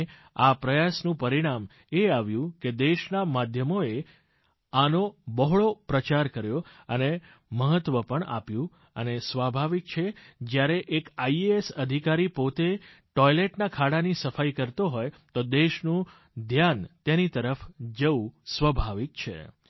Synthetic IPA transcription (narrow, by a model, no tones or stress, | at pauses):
apɾəjasnũpəɾiɽ̃am | eaʋjũked̪eʃnamad̪ʱjəmoe | anobəɦɭopɾət͡ʃaɾkəɾjoəne | məɦət̪ʋəpəɳa̰pjũ | ə̰nesʋabʱaʋik̚t͡ʃʰed͡ʒjaɾeʔekaiesəd̪ʱikaɾipot̪eʈɔjleʈnakʰaɽanisəfajkəɾt̪oɦoj | t̪od̪eʃnũ | d̪ʱjant̪enit̪əɾəfd͡ʒəũsʋəbʱaʋik̚t͡ʃʰḛ